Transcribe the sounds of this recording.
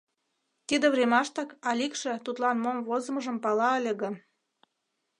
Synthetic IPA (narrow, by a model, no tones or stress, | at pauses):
t̪id̪ĕβremɑʃt̪ɑkɑlʲikʃĕt̪ut̪lɑnmomvozə̆mə̆ʒə̆mpɑlɑəlʲə̆ɣə̆